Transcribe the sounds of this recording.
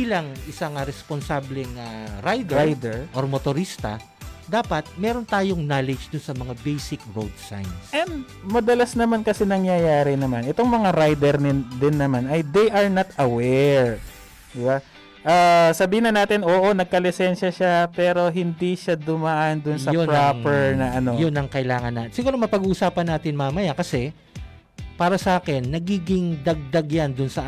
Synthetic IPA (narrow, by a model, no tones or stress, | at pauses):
ilɐŋʔɪsaŋɐɾɛsponsaːblɛŋaɾajd̪ɛɾajd̪ɛɹʔoɾmot̪oɾist̪ɐ̰ | d̪aːpɐt̪̚mɛːɾont̪aːjoŋnaːlɛd͡ʒd̪ʊnsɐmɐŋabɛjsɪkɹowd̪sa̰jnsʔɛnd̪ | mɐd̪ɐlasnɐmankɐsɛnɐŋjɐjaːɾɪnɐmanʔɛt̪oŋmɐŋaɾajd̪ɛɾnɪd̪ɪnːɐmanʔɐjd̪ɛjʔɐɹnɐt̪ɐwɛɹ | d̪ɪba | ʔasɐbiːhɪnɐnaːt̪ɪnʔoːʔo̞nɐɡ̚kɐlɪsɛnʃɐʃapɛːɾo̞ɦɪnd̪iʃad̪ʊmaʔand̪ʊnsɐjonɹapɛɹnɐʔɐnojonɐŋkɐʔɪlaːŋɐnːasɪɡuːɾomɐpɐɡuːʔʊsaːpɐnːaːt̪ɪnmaːmɐjakɐsɛ | paːɾɐsɐʔaːkɛnːɐɡiːɡɪŋd̪ɐɡ̚d̪ɐɡjand̪ʊnsɐʔ